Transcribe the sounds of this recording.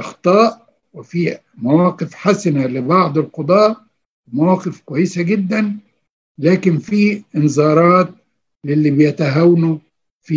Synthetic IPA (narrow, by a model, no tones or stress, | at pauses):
ʔɑxt̪ˤɑːʔ | wɪfiː | mawɑːqɪfħasanalɪbɑʕd̪ˤɪlqʊd̪ˤɑːʔ | mawɑːqɪfkwæjːɪsaɡɪd̪ːæn | læːkɪnfiːɪnzɑːɾˤɑːt̪̚ | lɪlːiːbɪjæt̪aɦawnu | fiː